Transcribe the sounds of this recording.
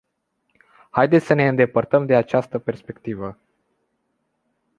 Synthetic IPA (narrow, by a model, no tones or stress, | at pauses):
hajd̪et̪sʲsəne̞ɨnd̪e̞pərt̪əmd̪e̞at͡ʃast̪əpe̞rspe̞kt̪ivə